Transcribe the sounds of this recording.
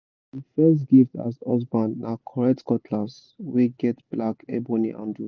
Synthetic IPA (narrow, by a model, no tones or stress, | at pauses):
difɛstɡifta̰zɔsbãnːʔakʰɔɹɛk̚tkɔtʰlas | wiɡɛtb̥lakʰɛbɔnḭʔã̰ndu